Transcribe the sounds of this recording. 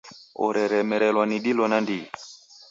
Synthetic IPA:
ɔ̰ɾɛɾɛmɛɾɛlwaniɗilɔnandi

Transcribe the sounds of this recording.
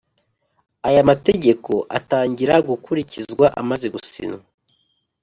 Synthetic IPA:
ajamate̞ɟe̞ko̞ʔa̰taːɲɟiɾaɡukuɾicʰizɡwaʔa̰mazeɡusḭnoa

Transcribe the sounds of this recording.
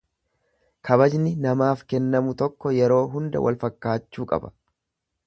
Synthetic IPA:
kʰɐbɐd͡ʒnɪnɐmaːfkɛnːɐmʊt̪ɔkːɔjɛɾo̞ːɦʊnd̪ɐ̰wʔɐ̰lfɐkːaːt͡ʃːuːkʼɐ̰bɐ̥

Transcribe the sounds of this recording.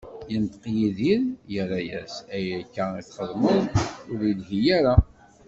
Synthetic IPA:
jənt̪qjiðiɾjəɾajæ̰sæjkːæiθχəðˤməðʊɾjəlɦijæɾa

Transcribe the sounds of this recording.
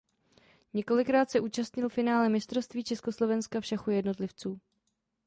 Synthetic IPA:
ɲɛko̞lɪkɾaːt̪sɛʔuːt͡ʃast̪ɲɪlfɪnaːlɛmɪst̪ɾost̪viːt͡ʃɛsko̞slo̞vɛnskafʃaxujɛdno̞t̪lɪft͡suː

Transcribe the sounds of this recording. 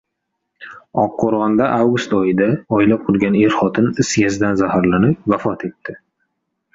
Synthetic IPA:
ɒqʰːoɾʁɑnd̪aʔawɡʊst̪ɒjɪd̪aɔjlap̚qʰʊlˠɡʲane̞ɾχɒt̪ʰɪnɪsjʲazd̪anzahaɾlanɪp̚vafɒt̪ʰe̞t̪ːɪ

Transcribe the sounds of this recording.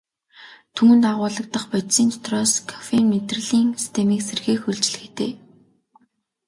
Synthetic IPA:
t̪ʰuŋɘ̆nt̪aʁʊːɮə̆k̚t̪ə̆χpɔt̪siːnt̪ʰɔ̥t̪rɔːskʰḁfenmet̪r̆ɮiːŋsi̥st̪ʰemiːkserxeːkxɵɮt͡ɕ̆ɮɘ̆xe̥t̪eː

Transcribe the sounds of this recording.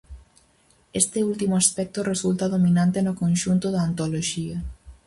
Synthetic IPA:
est̪ɪult̪imʊaspɛk̚t̪oresult̪aðominãnt̪enokõnʃunt̪ʊðaːnt̪oloʃiɐ

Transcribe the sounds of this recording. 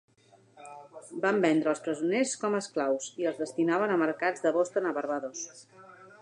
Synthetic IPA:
bambɛnd̪ɾəːlˠspɾəzuneskɔməsklawsiəlˠzðəst̪inaβənəməɾkad͡zðəβost̪ənəβəɾβəðos

